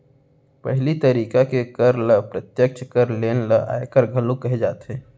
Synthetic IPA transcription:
pəɦɪlit̪əɾiːkakekəɾləpɾət̪jək̚t͡ʃʰkəɾleːnləa̰ekəɾɡʱəlũkəɦed͡ʒaːt̪ɦɛ̃ː

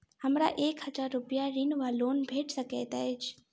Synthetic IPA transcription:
həmɾa̰ʔeːkhəd͡ʒaːɾːʊpɪjaɾinʋaloːnbʱeːʈʰsəkɛːt̪aed͡ʒʰ

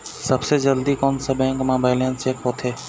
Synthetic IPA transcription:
səbsed͡ʒəld̪ikɔːnsebɛ̃ːŋkmoːbaːɪlẽnt͡ʃeːkɦoːt̪ʰeː

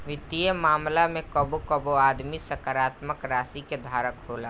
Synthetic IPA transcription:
ʋɪt̪ijəmaːmlamẽkəbokəboaːd̪misəkaɾaːt̪məkɾaːsiked̪ʱaːɾəkɦoːlaː

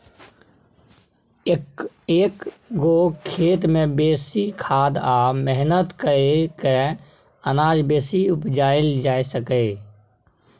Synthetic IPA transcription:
eːk | ɡokʰeːt̪mẽbeːsikʰaːd̪aːmɛɦnət̪kəeke | ənaːd͡ʒbeːsiʊpd͡ʒaːɪld͡ʒaːesəkeː

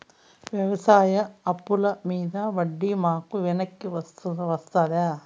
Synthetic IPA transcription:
ʋjɐʋɐsaːjɐːpːulɐmiːd̪ɐʋɐɖːimaːkuʋɛnɐkːiʋɐst̪uʋɐst̪aːd̪aː

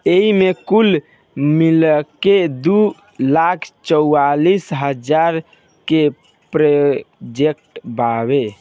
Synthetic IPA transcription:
eimekul | milked̪u | lakʰt͡ʃəualisɦəd͡ʒaɾ | ke | pɾəd͡ʒekʈbaβe

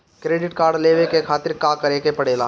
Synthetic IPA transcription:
kɾeːɖɪʈkaːɾɖleːʋekekʰaːt̪ɪɾkaːkɐɾeːkepɐɽeːla̰ː

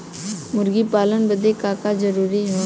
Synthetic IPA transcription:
mʊɾɡipaːlənbəd̪ekaːkad͡ʒəɾuːɾiɦoː

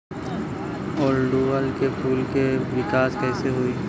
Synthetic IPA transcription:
ɔːlɖuʋəlkepʰuːlkeʋɪkaːskɛːseɦuiː

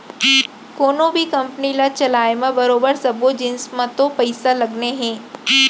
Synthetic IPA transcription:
koːnõbʱikɐmpnilat͡ʃɐlaːemãbɐɾoːbəɾsɐbod͡ʒɪnsmãt̪opɐɪsalɐɡneɦɛ̃ː

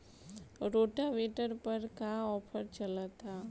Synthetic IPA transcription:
ɾoːʈaʋeʈəɾpɐɾkaɔːpʰəɾt͡ʃɐlət̪a

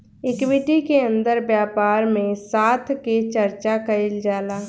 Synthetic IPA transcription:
ɪkwɪʈikeə̃nd̪əɾbjaːpaːɾmẽsaːt̪ʰket͡ʃəɾt͡ʃakɐɪld͡ʒaːlaː

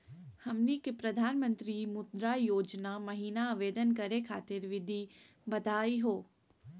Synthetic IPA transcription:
hɐmnikepɾɐd̪ʱaːnmə̃nt̪ɾimʊd̪ɾajoːd͡ʒnamɐɦiːnaːʋeːd̪ənkɐɾekʰaːt̪ɪɾʋɪd̪ʱi | bɐd̪ʱaːiɦoː

